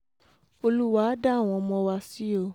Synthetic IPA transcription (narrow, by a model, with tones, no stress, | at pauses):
o˧lu˦wa˦da˦˨w̃ɔ̃˧mɔ̃˧wa˧si˨˦o˦˧